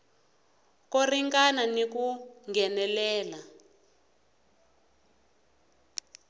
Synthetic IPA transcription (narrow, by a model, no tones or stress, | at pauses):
koriŋkananik̬uŋɡʱɛnɛlɛːla